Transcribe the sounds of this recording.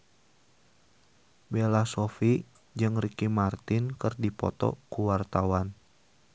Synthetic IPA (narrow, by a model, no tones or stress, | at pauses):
belasofi | d͡ʒɨŋrikimart̪ɪnkɨrdipɔ̰t̪ɔ̰kuwart̪awan